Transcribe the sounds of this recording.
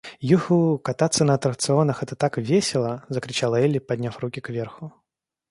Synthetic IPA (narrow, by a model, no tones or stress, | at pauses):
juxukat̪at̪sːənɐɐt̪ɾək̚t̪sɨonɐxɛt̪ət̪akvʲesʲɪlˠəzəkɾʲɪt͡ɕalˠəɛlʲɪpɐdʲnʲafrukʲɪkvʲerxʊ